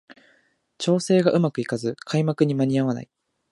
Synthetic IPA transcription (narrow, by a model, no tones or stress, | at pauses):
t͡ɕo̞ːse̞ːɡaʔɯ̟makɯ̟ikazɨkʰaimakɯ̟ɲ̟imaɲ̟iaβ̞ana̰i